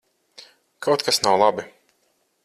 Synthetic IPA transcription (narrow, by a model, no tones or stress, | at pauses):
kʰawt̪kʰasnawlˠabi